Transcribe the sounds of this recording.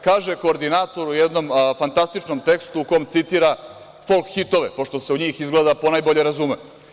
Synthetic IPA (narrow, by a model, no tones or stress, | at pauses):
kaːʒeko̞ːɾd̪inat̪o̞ɾujed̪no̞mfant̪ast̪it͡ʃnomt̪e̞kst̪uuko̞omt̪sit̪iːɾa | fo̞lkxit̪o̞ʋepo̞ʂt̪o̞seuɲiːxizɡled̪apo̞najbo̞ʎe̞ɾazume